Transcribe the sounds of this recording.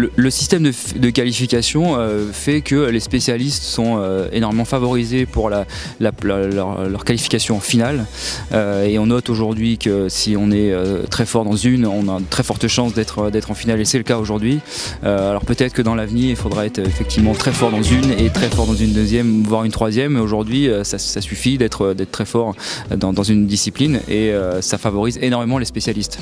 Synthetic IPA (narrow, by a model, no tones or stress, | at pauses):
lələsi̥st̪ɛmd̪əd̪əkalifikʲasjɔ̃øfɛkəlespesjalist̪sɔ̃øḛnɔʁmemɑ̃favɔʁizepuʁla | lall̰ʁlœʁkalifi̥kʲasjɔ̃ɑ̃final | øeɔ̃nɔt̪oʒuʁd̪ɥikəsiɔ̃nɛøt̪χɛfɔʁd̪ɑ̃zynɔ̃nat̪χɛfɔʁt̪əʃɑ̃sd̪ɛt̪χəd̪ɛt̪χɑ̃finalesɛləkaoʒuʁd̪ɥi | øalɔʁpøt̪ɛt̪χəkəd̪ɑ̃lavniːʁilfod̪ʁaɛt̪χefɛk̚t̪ivmɑ̃t̪χɛfɔʁd̪ɑ̃zynet̪χɛfɔʁd̪ɑ̃zynd̪øzjɛmvwaʁynt̪χwazjɛmoʒuʁd̪ɥiøsasasyfid̪ɛt̪χəd̪ɛt̪̚t̪ːχɛfɔʁd̪ɑ̃d̪ɑ̃zynd̪isiplineøsafavɔʁizenɔʁmemɑ̃lespesjalist̪